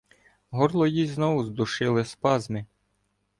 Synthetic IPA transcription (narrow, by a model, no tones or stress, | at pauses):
ɦɔrlˠɔjiznɔwʊzd̪ʊʃɪlˠɪspɑzmɪ